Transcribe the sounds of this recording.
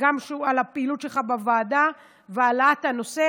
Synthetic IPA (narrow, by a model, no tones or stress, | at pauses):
ɡamʃeualapeilutʃelχabavaːda | vealatano̞se